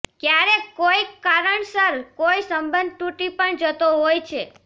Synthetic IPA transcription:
kjaɾekojaɾəɳsəɾkoisəmbənd̪̚ʈuʈipəɳd͡ʒət̪oɦojt͡ʃʰe

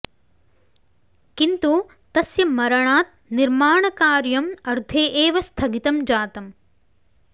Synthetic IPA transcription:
kint̪u | t̪ɐsjɐmɐɾɐɳaːt̪̚ | niɾmaːɳɐkaːɾjɐmɐɾd̪ʱeːʔeːʋɐst̪ʰɐɡit̪ɐmd͡ʒaːt̪ɐm

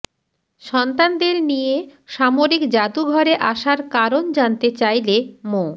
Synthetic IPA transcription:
ʃɔnt̪and̪eɾnijeʃamoɾikd͡ʑat̪uɡʱɔɾeʔaʃaɾkaɾond͡ʑant̪et͡ɕajlemo

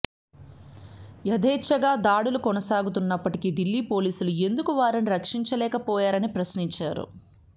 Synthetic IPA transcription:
jɐd̪ʱɛːt͡ʃːɐɡaːd̪aːɽulukɔnɐsaːɡut̪unːɐpːɐʈikiɖilːiːpo̞ːliːsulue̞nd̪ukuʋaːɾɐniɾɐkʂiɲt͡ʃɐlɛːkɐpɔːjaːɾɐnipɾɐsniɲt͡ʃaːɾṵ

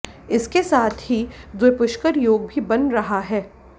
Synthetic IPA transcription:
ɪskesaːt̪ʰɦid̪wepʊʃkəɾjoːɡ̚bʱibɐnɾɐɦaɦɛː

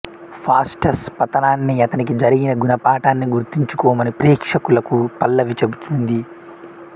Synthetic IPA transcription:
pʰaːsʈɐspɐt̪ɐnaːnːiɐt̪ɐnik̬id͡ʒɐɾiɡinɐɡunɐpaːʈaːnːiɡuɾt̪iɲt͡ʃukɔːmɐnipɾiːkʂɐkulɐkupɐlːɐʋit͡ʃe̞but̪und̪i

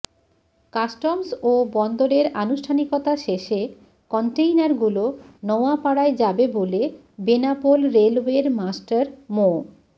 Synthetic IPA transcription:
kasʈomsobɔnd̪oɾeɾanuʃʈʰanikɔt̪aʃeʃe | kɔɳʈejnaɾɡulonɔoapaɽaed͡ʑabebole | benapolɾelweɾmasʈaɾmo

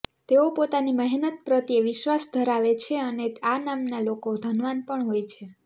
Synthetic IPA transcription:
t̪eopot̪animəɦnət̪̚pɾət̪jeʋɪʃʋasd̪ʱəɾaʋet͡ʃʰeəneanamnalokod̪ʱənʋanpəɳɦojt͡ʃʰe

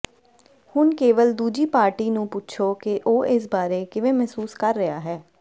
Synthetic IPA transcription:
hʊnkeːʋəld̪uːd͡ʒiːpaːɾʈiːnũːput͡ʃʰoːkɪʔoːʔɪs̬baːɾeːkɪʋẽːmɛːsuːskəɾːəaːɦɛː

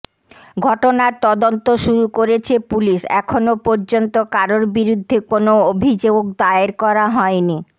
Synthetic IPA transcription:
ɡʱɔʈonaɾt̪ɔd̪ont̪oʃuɾukoɾet͡ɕʰepuliʃɛ̰kʰonopoɾd͡ʑont̪okaɾoɾbiɾud̪ʱːekonoobʱid͡ʑookd̪aeɾkɔɾaɦɔeni

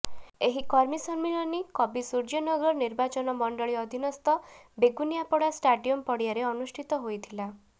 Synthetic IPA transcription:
eɦikɔɾmisɔnmiɭɔnikɔbisuɾd͡ʒɔnɔɡɾɔɾniɾbat͡ʃɔnɔmɔɳɖɔɭiɔd̪ʱinɔst̪ɔbeɡunijapɔɽasʈaɖiɔmpɔɽiaɾeɔnusʈʰit̪ɔɦojt̪ʰila

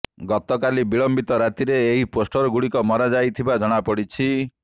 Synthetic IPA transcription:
ɡɔt̪ɔkalibiɭɔmbit̪ɔɾat̪iɾeːɦiposʈɔɾɔɡuɽikɔmɔɾad͡ʒajt̪ʰibad͡ʒɔɽ̃apɔɽit͡ʃʰi

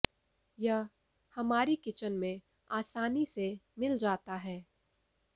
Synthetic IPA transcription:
jɐɦ | hɐmaːɾikɪt͡ʃənmẽ | aːsaːnisemɪld͡ʒaːt̪aɦɛː

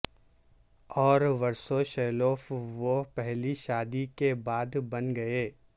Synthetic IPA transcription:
ɔːɾʋɐɾsoʃɛːloːfʋopɛɦliʃaːd̪ikebaːd̪bɐnɡɐeː

